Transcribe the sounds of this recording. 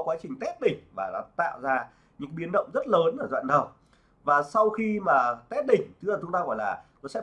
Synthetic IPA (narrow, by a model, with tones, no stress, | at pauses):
kwaː˨˦t͡ɕï˨˩ŋ̟t̪ɛ˦˥p̚ɗï˨˩ŋ̟vaː˨˩nɔ̰˨˦t̪a̰ː˧˨wzaː˧ | ɲɨ̰˧˥kɓi˨˦ənɗə̰˧˨wŋ͡mzə˦˥t̚ləː˨˦nʔəː˧˩zwa̰ː˧˨nɗə˨˩w | vaː˨˩sa˧wxi˧maː˨˩t̪ɛ˦˥t̚ɗï˨˩ŋ̟t̪ʰɨ˨˦˥əː˨˩˨ŋ͡mt̪aː˧ɣɔ˧˩jlaː˨˩nɔ˨˦sɛ̰˧˥